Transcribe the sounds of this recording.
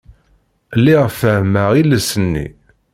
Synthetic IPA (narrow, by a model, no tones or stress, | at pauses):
lːiʁfəhməʁilːəsənːḭ